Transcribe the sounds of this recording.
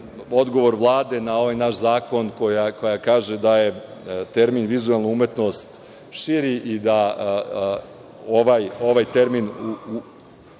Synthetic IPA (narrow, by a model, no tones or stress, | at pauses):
o̞d̪ɡo̞ʋo̞ɾʋlˠaːd̪e̞nao̞ʋajnaʃzaːko̞nko̞jako̞jakaːʒed̪aje̞t̪e̞ɾminʋizuelˠnuumet̪no̞st̪ | ʃiɾiʔid̪a | oʋajo̞ʋajt̪e̞ɾminuu